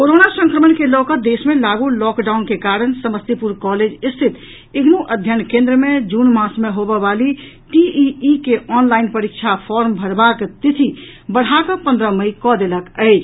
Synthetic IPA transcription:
koɾonasə̃ŋkɾəmənkelɔkəd̪esmelaɡulɔkɖaunkekaɾənsəməst̪ipuɾkɔled͡ʒist̪ʰit̪ | iɡnuʔəd̪ʱjənkẽnd̪ɾəmed͡ʒunmasmeɦobəbali | ʈiiikeʔɔnlainpəɾik̚t͡ʃʰapʰɔɾmbʱəɾbakt̪it̪ʰi | bəɽ̤akɔpə̃nd̪ɾəməjkɔd̪eləkəɪt͡ʃʰ

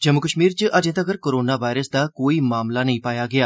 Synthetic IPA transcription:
d͡ʒəmːʊkəʃmiːɾt͡ʃəʔəd͡ʒẽːt̪əɡəɾkoːɾoːnaːʋaːɪɾəsd̪aːkoːiːmaːmlaːnəĩːpaːjaːɡɪaː

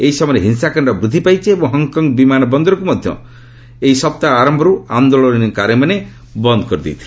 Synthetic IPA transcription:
eɦisɔmɔɾeɦinsakaɳɖɔbɾud̪ʱipajt͡ʃʰiebɔ̃ŋɦɔŋkɔŋɡbimanɔbɔnd̪ɔɾɔkumɔd̪ʱjɔ̰ | eɦisɔp̚t̪aːɾɔmbʱɔɾuand̪oɭɔnnikaɾemane | bɔnd̪ɔkɔɾid̪ḭt̪ʰi̥

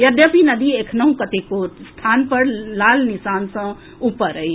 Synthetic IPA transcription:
jəd̪jəpinəd̪iekʰnəɦũkət̪ekost̪ʰanpəɾlalnisansə̃ | upːəɾəi

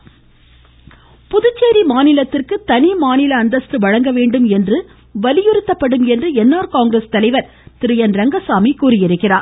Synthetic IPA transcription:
pʊðɯt͡ʃːeːɾimaːnɪlɐt̪ːɪrkɯt̪ɐnimaːnɪlɐːnd̪ɐsʈɯʋɐɻɐŋɡɐʋeːɳɖɯmɛndrɯ | ʋɐlɪjɪɾɯt̪ːɐpːɐɽɯmɛndrɯɛnːaːɾkaːŋɡɾest̪ɐlɐɪʋɐɾ | t̪ɪɾɯjɐnɾɐŋɡɐsaːmikuːɾɪjɪɾɯkːɪraː

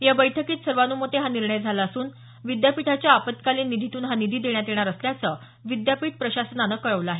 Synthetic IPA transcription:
jabəjʈʰəkiːt̪səɾʋanuːmət̪eɦaniɾɳəjd͡zʱalaːsuːn | ʋid̪japiʈʰat͡ɕjaːpət̪kaliːnːid̪ʱit̪uːnɦanid̪ʱiːd̪eɳ̃jat̪eɳ̃aɾəsljat͡sə | ʋid̪japiːʈ̚pɾəɕasənanəkəɭəʋləaɦe

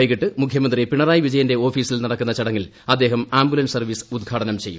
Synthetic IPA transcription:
jɣiʈːɨmukʰjɐmɐnd̪ripiɳɐraːjiʋid͡ʑɐjɐnde̞o̞ːfiːsilnɐɽɐkːunːɐt͡ɕɐɽɐŋːil | ɐd̪ːe̞ːɦɐmaːmbulɐnsɐrʋiːsɨ̥ud̪̚ɡʱaːɽɐnɐmt͡ɕe̞jṵm

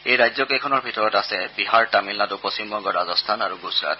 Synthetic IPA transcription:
ejɹajzɔkɛkʰɔnɔɹbʱitɔɹɔtasɛbiɦaɹtamilnadupɔsimɔɡɔɹazɔstʰanaɹuɡusɹa̰t

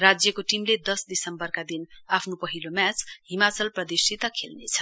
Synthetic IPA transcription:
rad͡zjʌkoʈimled̪ʌsd̪isʌmbʌrkad̪inapʰnopʌɦilomjat͡sɦimat͡sʌlprʌd̪isit̪ʌkʰelnet͡sʰʌ̥

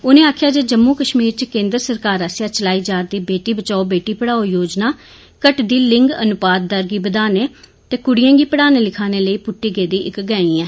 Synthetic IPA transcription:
ʊːnẽːaːkʰjaːd͡ʒeːd͡ʒəmːuːkəʃmiːɾt͡ʃkẽːnd̪ɾəsəɾkaːɾasjaːt͡ʃəlaːiːd͡ʒaːɾd̪iːbeːʈiːbət͡ʃaːoːbeːʈiːpəɽaːoːjoːd͡ʒnaː | kəʈd̪iːlɪŋɡə̰nʊpaːd̪̚d̪əɾɡiːbəd̪aːneː | t̪eːkʊɽijãːɡiːpəɽaːneːlɪkʰaːneːləiːpʊʈːiːɡeːd̪iːɪkɡɛ̃ːiːɛː

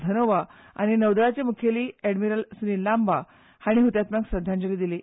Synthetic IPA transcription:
d̪ʱənoʋa | a̰ɽ̃inəʋd̪əɭat͡ɕemukʰeliːɛɽmiɾəlsnilːamba | haɽ̃iɦut̪jat̪maksɾəd̪ʱjãnd͡ʑəlid̪ili

